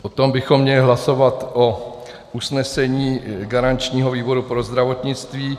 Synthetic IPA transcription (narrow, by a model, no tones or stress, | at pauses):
pot̪o̞mbɪxo̞mːɲɛlɪɦlaso̞vat̪ʔo | usnɛsɛɲiːɡaɾant͡ʃɲiːɦoviːbo̞ɾupɾo̞zd̪ɾavo̞t̪ɲɪt͡st̪viː